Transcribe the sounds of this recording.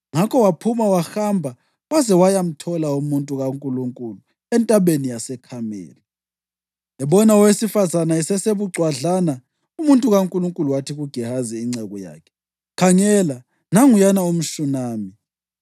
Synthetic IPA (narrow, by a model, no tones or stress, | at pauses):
ŋakʰɔwapʰumawaxambʱa | wazɛwajam̩tʰɔlaumuntʼuɣaŋkʼuluŋkʼulu | ɛntʼaɓenijasɛkʰamɛ̰ːla | ɛɓɔnaɔwesifazanaɛsɛseβuɡ͡ǀʱwaɮana | umuntʼuɣaŋkʼuluŋkʼuluwatʰiɣuɡ̥ʱihaziːŋ͡ǀɛɣɔja̰ːkʰɛ̥ | kʰaŋɛla | naŋujanaum̩ʃunaːmi